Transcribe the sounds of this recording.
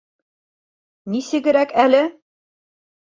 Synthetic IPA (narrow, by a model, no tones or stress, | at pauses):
nisɘ̆ɡɘ̆ɾækælɘ